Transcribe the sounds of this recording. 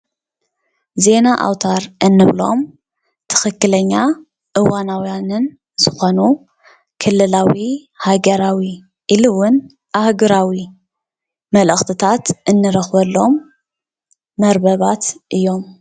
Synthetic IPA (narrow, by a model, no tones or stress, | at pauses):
ze̞naʔa̰wt̪ʰaɾʔɨnːɨβlo̞m | t̪ʰɨ̥xɨkːɨlɐɲːa | ʔɨwanawijanɨn | z̥ɨxo̞nu | kʰɨlːɨlawi | haɡɐɾawi | ʔilɨwʊn | ʔahɡɨɾawi | mɐlɨxt̪ʰɨt̪ʰat̪ʔɨnːɨɾɐxβɐlːo̞m | ɐɾbɐβat̪ʔɨjːo̞m